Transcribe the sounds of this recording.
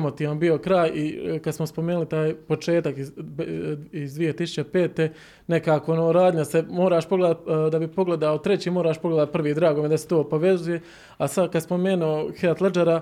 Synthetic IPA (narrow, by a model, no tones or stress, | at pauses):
mo̞t̪iːʋanbio̞kɾaːjikad̪smospomeːnulit̪aːjpo̞t͡ʃe̞ːt̪aki | izd̪ʋie̞t̪isu̥t͡ɕe̞pe̞ːt̪e | ne̞kaːkonoɾaːd̪ɲasemoːɾaːʃpo̞ɡle̞d̪at̪d̪abipo̞ɡle̞d̪aot̪ɾe̞t͡ɕiːmo̞ːɾaːʃpo̞ɡle̞d̪at̪̚pr̩ʋiːd̪ɾaːɡomjed̪ase̥t̪o̞ːpoʋe̞zuje̞ | asad̪kad̪spo̞me̞ːnuoxeat̪led͡ʒaɾa